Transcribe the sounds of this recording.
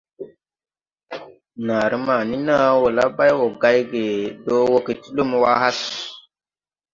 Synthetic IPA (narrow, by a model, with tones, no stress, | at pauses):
na˨ɾə˦ma˨ni˦na˦wo˨la˦ba˦jwo˨ɡa˦jɡe˨do˦wo˦ki˨ti˦lu˦mwa˦ha˦s